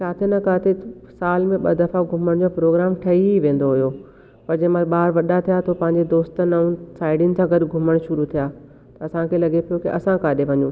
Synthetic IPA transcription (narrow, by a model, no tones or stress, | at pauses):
kaːt̪ʰɪnɐkaːt̪ʰesaːlmẽɓɐd̪ɐfaɡʱʊməɽ̃d͡ʑoːpɾoːɡɾaːmʈʰɐiiʋẽːn̆d̪oɦʊjo | pɐɾd͡ʑɐ̃ɦmãɓaːɾʋɐɗat̪ʰijat̪ʰopɐ̃ɦɪ̃ɲd͡ʑed̪oːst̪nɐũsaːɪɖɪnɪ̆sãːɡɐɗɡʱʊməɽ̃ʃʊɾut̪ʰijaː | t̪ɐɐsãkʰelɐɡepʰijokeʔɐ̰sãkaːɗeʋɐɲũː